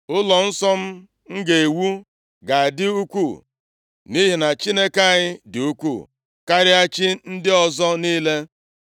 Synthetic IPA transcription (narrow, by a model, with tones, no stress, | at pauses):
ʊ˦lɔ˨n̩˦sɔ˦m̩˦ | ŋ̩˦ɡe˨e˨wu˦ | ɡa˨a˨dɪ˦u˦kʷu˦˨ | ni˦ɦi˨na˨t͡ʃi˦ne˦ka˦˨ɲɪ˦dɪ˨u˦kʷu˦˨ | ka˦ɾɪ˦a˦t͡ʃɪ˦n̩˦dɪ˦ɔ˨zɔ˦niː˦le˦